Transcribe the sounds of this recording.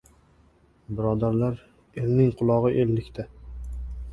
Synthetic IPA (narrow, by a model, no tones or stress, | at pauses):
bɪɾɒd̪aɾlaɾ | elnɪŋqʰʊlˠɒʁɨʔelːɪkʲt̪ʰa